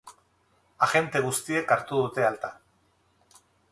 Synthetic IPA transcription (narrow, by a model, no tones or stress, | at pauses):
axe̞nt̪e̞ɣ̞ust̪ie̞kaɾt̪uðut̪e̞alt̪a